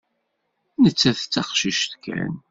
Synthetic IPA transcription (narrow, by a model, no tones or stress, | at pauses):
nət͡sːæθt͡sːɑχʃiʃt̪kʰæ̰n